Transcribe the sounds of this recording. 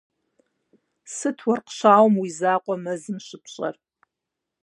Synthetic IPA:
sɨtʰwɐrqɕaːwmwizaːqʷʼɔmɐzɨmɕɪpʰɕʼɐ̰r

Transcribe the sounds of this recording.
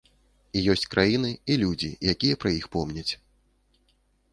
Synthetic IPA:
ijɔsʲt͡sʲkɾʔajinɨilʲud͡zʲḭjakʲijɛpɾɐjixpɔmnʲɐt͡sʲ

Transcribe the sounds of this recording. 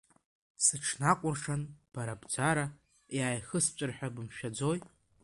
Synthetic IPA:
sɨʈ͡ʂʰnakʷʼʊrʂanb̥aɾabd͡zaɾa | jaːjχəst͡ʃʷʼɨrħᶣabɨmʃᶣad͡zo̞j

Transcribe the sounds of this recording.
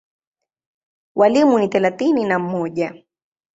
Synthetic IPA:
walimunit̪alat̪ininam̩mɔʄa

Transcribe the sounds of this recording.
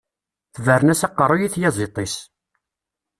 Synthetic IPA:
θvəɾənæsɑqːərˤːojiθjæzˤit̪ˤːis

